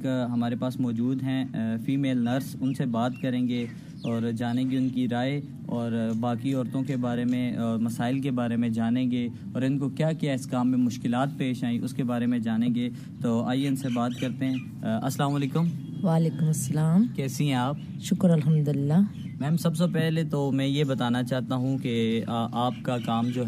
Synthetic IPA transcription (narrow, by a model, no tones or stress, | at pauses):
kɦɐmaːɾepaːsmɔːd͡ʒuːd̪ɦɛ̃fiːmeːlnɐɾsʊnsebaːt̪kɐɾẽːŋɡe | ɔːɾd͡ʒaːnẽːɡeʊnkiɾaːe | ɔːɾbaːkiɔːɾt̪õkebaːɾemẽɔːɾmɐsaːɪlkebaːɾemẽd͡ʒaːnẽɡeː | ɔːɾɪnkokjaːkiaɪskaːmːẽmʊʃkɪlaːt̪̚peːʃaːĩʔʊskebaːɾemẽd͡ʒaːnẽːɡe | t̪oːa̰ːjeʊnsebaːt̪kɐɾt̪eɦɛ̃ː | ɐslaːmaːleːkʊmʋaːleːkʊmɐsːɐlaːmkɛːsĩɦɛ̃aːp | ʃʊkɾɐlɦɐmd̪ʊɪlːa | mɛ̃ːmsɐbsepɛɦlet̪omɛ̃jebɐt̪aːnat͡ʃaːɦt̪aɦũkeʔaːpkakaːmd͡ʒoːɦ